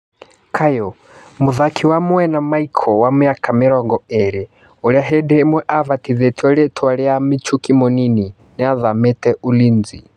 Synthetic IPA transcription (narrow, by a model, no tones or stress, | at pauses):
kʰajɔ | muðakʰiwamwɛnamaikʰɔwamɛakʰamɛɾɔŋɡɔɛɾɛ | ɔɺiaɦɛdɛmwɛʔavat̪iðɛtʰiɔɺɛtʰaɺɛamit͡ʃʰukimɔnini | nɛaðamɛt̪ɛʔulind͡zḭ